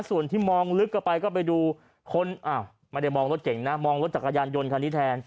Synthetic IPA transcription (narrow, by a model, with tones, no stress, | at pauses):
su˨˩ənt̪ʰiː˥˩mɔː˧ŋlɯ˦˥kːa˧˩pa˧jkɔː˥˩p̬a˧jduː˧ | kʰo˧˥nʔaː˧˩w | ma˧˥˩da˥˩jmɔː˧ŋɾo˦t̪̚ke˨˩˦ŋna˦˥mɔː˧ŋlo˦˥t̪̚t͡ɕa˨˩kʰːa˧jaː˧njo˧nkʰa˧ni˦˥t̪ʰɛː˧n